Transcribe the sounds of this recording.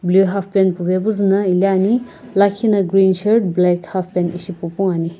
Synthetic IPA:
bluɦapʰpenpubebuzunɐiliani | lajkʰːinɐɡɾinseɾdblekhapʰpenisipɔpɔŋani

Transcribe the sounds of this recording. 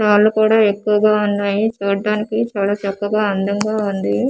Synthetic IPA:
t͡ʃaːlːukuːɽaːe̞kːuʋɐɡaːunːaːjit͡ʃoːɾɖaːnikit͡ʃaːlaːt͡ʃɐkːɐɡaːɐnd̪ɐŋɡaːund̪i

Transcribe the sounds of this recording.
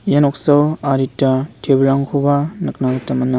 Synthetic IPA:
jenɔk̚sawaɾitːatʰebɾaŋkʰobanɯk̚naɡɯtamɐna

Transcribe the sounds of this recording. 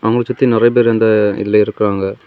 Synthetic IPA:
ʔɐʋŋɡɐɭɐt͡ʃːɐt̪ːinɪrɐɪp̬eːɾɛnd̪aɪ̰llːɐɪɾɯkːɪɾaːŋɡɐ

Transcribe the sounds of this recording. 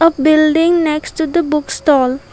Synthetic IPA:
ɔvbɪlɖɪ̃ŋnɛksʈud̪əbʊksʈɔːl

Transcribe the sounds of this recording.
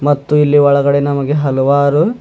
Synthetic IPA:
mɐt̪ːuilːiɔɭɐɡɐɽe̞nɐmɐɡe̞ɦɐlɐʋaːɾu

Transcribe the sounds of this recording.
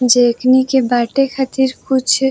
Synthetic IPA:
d͡ʒeːknikebaːʈekʰat̪iɾkʊt͡ʃʰ

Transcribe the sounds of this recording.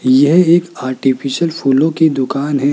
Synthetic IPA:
jɐɦeːkaːɾʈipʰiʃəlpʰuːlõkid̪ʊkaːnɦɛ

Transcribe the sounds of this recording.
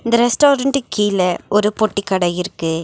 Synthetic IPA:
ɪnd̪ɐɾɛsʈoːɾɐɳɖɯkʰiːlɐɔɾɯpɔʈːikːɐɽɐjɪɾɯkːɯ

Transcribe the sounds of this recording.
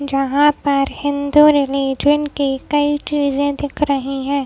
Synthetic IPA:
d͡ʒɐɦãpɐɾhɪ̃nd̪uɾɪliːd͡ʒənkikɐit͡ʃiːzẽd̪ɪkʰɾɐɦiɦɛ̃ː

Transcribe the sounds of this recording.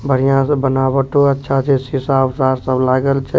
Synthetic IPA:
bʱəɾijãsbənaːəʈoɐtːʃʰat͡ʃʰesisaʋsaːɾsəblaːɡəlt͡ʃʰe

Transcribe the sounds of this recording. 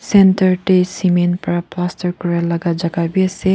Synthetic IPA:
sentaɹʈesimenpɾaplastɔɹkɔɹialaɡad͡ʒaɡabiase

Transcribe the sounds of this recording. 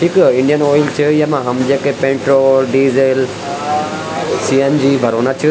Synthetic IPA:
ʈʰiːkɪ̃ɳɖijənoːjɪlt͡ɕʰəɪjmãɦɐmd͡ʑeːkepẽːʈɾoːlɖiːzel | siːend͡ʑiːbʱɐɾoːnat͡ɕʰə

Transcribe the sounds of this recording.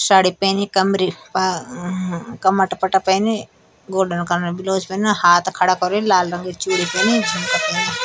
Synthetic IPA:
saːɽipeːnikɐmɾip | kɐmɐʈpɐʈapɐːni | ɡoːɖənkɐɾnbiloːd͡ʒpenahaːt̪kʰɐɽakɐɾolaːlɾɐ̃ŋɡet͡ʃuːɽipeːnid͡ʒʱimt̪ɐpɐːni

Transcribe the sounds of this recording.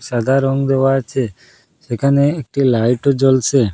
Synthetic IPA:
sad̪ʱaɾɔŋɡd̪eʋat͡ʃʰe | sekʰaneːk̚ʈilajʈod͡ʒɔlse

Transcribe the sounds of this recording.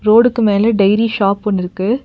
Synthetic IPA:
ɾoːɽɯkːɯmeːlɐɖɐɪɾiʃaːpɔnːɪɾɯkːɯ

